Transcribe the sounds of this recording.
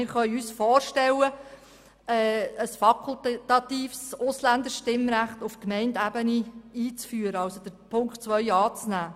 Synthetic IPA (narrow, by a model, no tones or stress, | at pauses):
ɪɾχœɥyːsfɔːrʃtɛlːə | ɛːəsfɑkʰultt̪ɑt̪iːfsʊslænd̪əɾʃtɪmɾæχt̪ʊfkmɛɪndæbəniiːt͡sfyːəɾəɑlsod̥əɾpʰʊŋkχt͡sʋœʏɑːt͡snæː